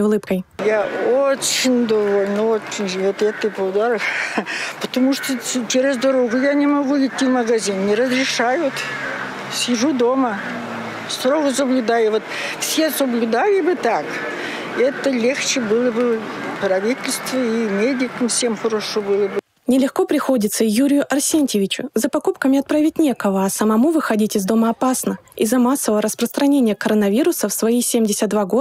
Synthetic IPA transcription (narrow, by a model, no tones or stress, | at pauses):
ʊlˠɨpkəjjaot͡ɕːɪnʲd̪ɐvolʲnəot͡ɕːɪnʲʒvot̪ɛt̪ɨpəʊd̪aɾəxpət̪ɐmuʂt̪ot͡ʃeɾʲɪzd̪ɐɾoɡʊjanʲɪmɐɡuɪtʲːivməɡɐzʲinːʲɪɾəzrʲɪʂajʊt̪ | sʲɪʐud̪o̞mə | st̪ɾoɣəs̬əblʲʊd̪ajʊvot̪ | fsʲe̞səblʲʊd̪alʲɪbɨt̪ak | ɛt̪əlʲext͡ɕɪbɨlˠəbɨ | prɐvʲitʲɪlʲst̪vəimʲedʲɪkəmfsʲemxəɾoʂobɨlˠəbɨ | nʲɪlʲɪxko̞pɾʲɪxo̞dʲɪt̪səjuɾʲɪjʊʔɐrsʲenʲtʲɪvʲɪt͡ɕʊzəpɐkupkəmʲɪɐt̪̚pɾavʲɪtʲnʲe̞kəvəɐsəmɐmuvɨxɐdʲitʲɪzd̪o̞məɐpasnə | ḭzːəmasːəvəvəɾəspɾəst̪ɾɐnʲenʲɪjəkɐɾənɐvʲiɾʊsəfsvɐisʲemʲdʲɪsʲət̪̚d̪vaɡo̞